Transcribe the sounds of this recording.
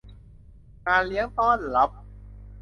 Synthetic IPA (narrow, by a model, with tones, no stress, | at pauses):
kaː˧li˦˥əŋt̪ɔː˥˩nla˦˥p̚